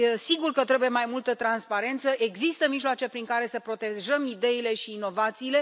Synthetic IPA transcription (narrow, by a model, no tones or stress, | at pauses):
siɡurkət̪ɾe̞buje̞majmult̪ət̪ɾanspaɾe̞nt̪səʔe̞ɡzist̪əmiʒlwat͡ʃe̞pɾiŋkaɾe̞səpɾo̞t̪e̞ʒəmid̪e̞ile̞ʃiːno̞vat̪siːle̞